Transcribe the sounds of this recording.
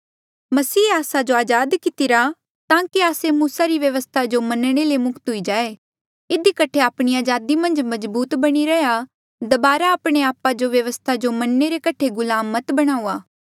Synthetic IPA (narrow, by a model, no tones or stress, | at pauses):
mɐsiːaːsad͡ʒoaːd͡ʒaːd̪kɪt̪ɪɾa | t̪ãːkiaːsemuːsaɾiʋjɐʋəst̪ʰad͡ʒomɐnɽ̃elemʊkt̪ɦʊid͡ʒaːe | ɪd̪ikɐʈʰeaːpɽ̃iaːd͡ʒaːd̪imɐ̃nd͡ʒmɐzbuːt̪bɐɽ̃iɾɛja | d̪ɐbaːɾaaːpɽ̃eaːpad͡ʒoʋjɐʋəst̪ʰad͡ʒomɐnːeɾekɐʈʰeɡʊlaːmət̪bɐɽ̃aːuːaː